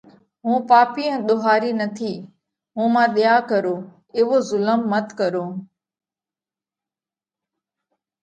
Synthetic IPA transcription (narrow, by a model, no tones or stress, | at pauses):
ɦũːpaːpiːə̃ːɗ̪oɦaːɾiːnət̪ʰiː | ɦũːmãːɗɪjaːkəɾoː | ɪːʋoːzʊləmːət̪kəɾoː